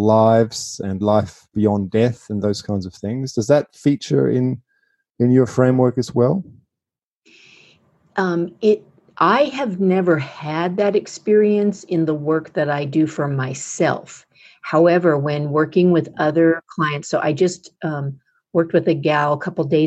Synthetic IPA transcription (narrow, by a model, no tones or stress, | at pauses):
laɪvz̥ɨ̃nlaɪfb̥iɑ̃ndɛθɨ̃nðoʊz̥kʰãɪ̃nzʌv̥θɪ̃ŋzd̥ʌzðɨtfit͡ʃə̰˞ɪ̰̃n | ɨ̃njə˞fɹẽɪ̃mwɜ˞kɨzwɛ̰lˠ | mɪɾ | ʔaɪɨvnɛvə˞ɨd̪̚ðɨɾɨkspɪɹiɨ̃nsɪ̃nðəwɜ˞k̚ðɨɾaɪdɨfə˞maɪsɛ̰lˠf | haʊɛvə˞wɨ̃nwɜ˞kɪ̃ŋwɨðʌðə˞kʰl̥aɪɨ̃ntsoʊʔa̰ɪd͡ʒʌstʌ̃m | wɜ˞k̚t̚wɨðɨɡaʊəkʰʌpl̩ˠdeɪ